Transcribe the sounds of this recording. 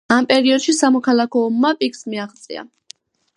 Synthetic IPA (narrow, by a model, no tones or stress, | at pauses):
ampʼɛɾiɔd̪̥ʃisamɔkʰalˠakʰɔːmːapʼiksmiaʁt̪sʼḭa̰